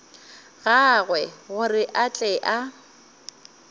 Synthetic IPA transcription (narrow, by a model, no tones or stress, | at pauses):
ɣaɣwɛɣʊrɪʔat͡ɬʼɛʔa